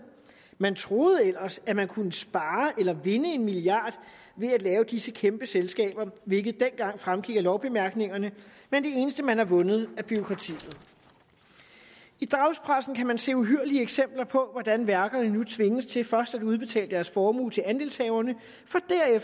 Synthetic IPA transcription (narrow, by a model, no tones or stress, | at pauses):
mænt͡sʰʁo̝ːð̩ˠel̰ɐsæmænkʰunəsb̥ɑ̈ːʔelɐʋe̝nəe̝nmiliɑ̰̈ːd̥ | ʋe̝æd̥lɛːʊd̥isəkʰemb̥əselsɡ̥ɛ̰ːb̥ɐʋe̝lɡ̥ð̞̩ˠd̥en̰ɡ̥ɑ̈ŋ̰fʁamɡ̥iɡ̥ɐlɒʊb̥e̝mæɐɡ̥ne̝ŋɐnəmend̥e̝e̝ːnəsd̥əmænhɑ̈ʋɔ̽nð̞̩ˠæb̥yʁo̝kʰʁɑ̈t͡sʰḭːð̩ˠ | id̥ʁɑ̈ʊspʰʁasn̩kʰæmænse̝̰ːuɦyɐliəeɡ̥sem̰b̥lɐpʰɒ̽ʋɒd̥ænʋæɐɡ̥ɐnənut͡sʰʋe̝ŋəst͡sʰe̝lfɶɐsd̥æd̥uð̞ˠb̥e̝t͡sʰɛ̰ːldə̥d̥æɐsfɒːmṵːlt͡sʰe̝lænd̥e̝ːlshɛːʊɐnə | fɒ̽d̥æɐ̰ef